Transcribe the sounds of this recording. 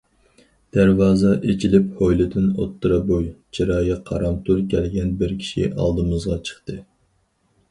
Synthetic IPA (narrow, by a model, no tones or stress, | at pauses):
d̪̥æɾwɑːzɑʔet͡ʃʰilɪphojlɪd̪ɪno̰t̪ʰːɨɾɑbojt͡ʃʰiɾɑːjɑqʰɑ̰ɾɑmt̪ʰuɾkʲʰɛlɡʲɛnbɪɾkʲʰi̥ʃḭʔɑ̰lˠd̪ɨmɨzʁɑt͡ʃʰə̥χt̪ɨ